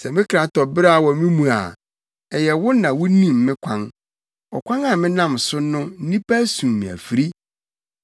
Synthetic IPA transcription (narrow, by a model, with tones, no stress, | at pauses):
sɛ˨mɪ̃˦kʰɾa˨tʰɔ˨bɾa˦˨wɔ˨mɪ̃˦mũ˨a̰˨ | ɛ˨jɛ˨wʊ˦nã˨wʊ˦nĩ˦˨mːɪ̃˦kʷʰã˦ŋ | ɔ̰˨kʷʰã˦ŋa˨mɪ̃˦nã˦˨m˨sʊ˦nʊ̃˦n̩˦nĩ˦pa˦sũ˨mmɪ̃˨æ̰˨fi˨ɾi˦